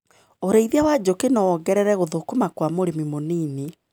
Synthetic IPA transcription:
oɾeiðiawad͡ʑokenɔɔɡɛɾɛɾɛɣoðokomakwamoɾemimoniːne

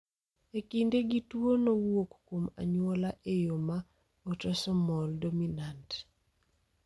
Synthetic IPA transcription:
ekindeɡitwonowokkwoma̰ɲwolaʔejoma | otɔsɔmɔldominant

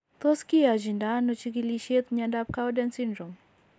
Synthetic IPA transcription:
t̪oskiad͡ʒindanɔt͡ʃik̬iliʃet̪ɲadap̚kawdɛnsindɾom

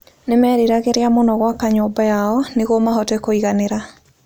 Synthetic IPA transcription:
nemɛɾiɾaɣeɾeamonɔɣwakaɲoːbajaɔneɣomaɦɔtɛkoiɣaneɾa

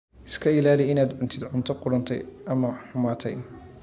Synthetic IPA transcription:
ʔɪskʰɐɪlaːlɪɪnaːd̪ʕʊnt̪ʰɪd̪ʕʊnt̪ʰɐqʊɽɐnt̪ʰɛ̰jʔɐmɐħʊmaːt̪ʰɛ̰j

